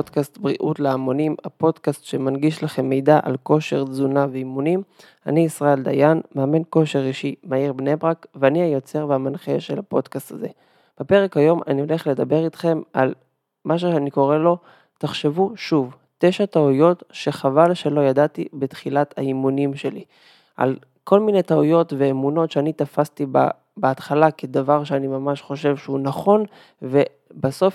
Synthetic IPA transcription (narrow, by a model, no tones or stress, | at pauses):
odkast̪bʁiʔutleamo̞nimhapo̞dkastʃemanɡiʃlaχe̞mːe̞jdaʔa̰lko̞ʃe̞ʁzunaveimunim | a̰niːsʁae̞ld̪a̰janmeamenko̞ʃe̞ʁiʃimaiʁbnebʁakveaniajo̞t͡se̞ʁveamanχeʃelapo̞dkast̪aze̞̰ | b̥epe̞ʁekhajo̞ma̰nio̞le̞χle̞d̪abe̞ʁit̪χe̞mal | mʔaʃ̬uʃeaniko̞ʁe̞lo̞ | taχʃe̞vuʃuv | te̞ʃat̪aujo̞tʃe̞χavalʃe̞lo̞jadat̪ibetχilat̪aimunimʃe̞li | ʔa̰l | ko̞lmine̞t̪aujo̞tve̞ːmuno̞tʃeanit̪afast̪iba̰ | beat̪χalaked̪avaʁʃeanimamaʃχo̞ʃe̞vʃeunaχo̞n | ve̞ | baso̞f